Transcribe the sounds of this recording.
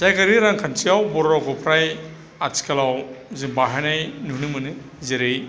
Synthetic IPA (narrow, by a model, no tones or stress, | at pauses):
z̥ajkaɾiɾaŋkʰansiawbɔɾɾakʰɔpʰɾaj | atʰi̥kalawzimbaɦanajnuhnɯmɯnɯ | zeɾej